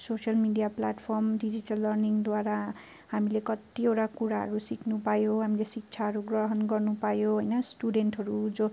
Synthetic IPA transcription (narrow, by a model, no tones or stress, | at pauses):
sosʌlmiɖijaplaʈpʰʌrmɖid͡ziʈʌlːʌrniŋd̪waɾa | ɦhamilekʌt̪ːieʈakuɾaɦʌ̰ɾusikʰnupajoɦamilesik̚t͡sʰaɦʌɾuɡrʌɦʌnɡʌrnupajoɦojnʌsʈuɖenʈɦʌɾud͡zo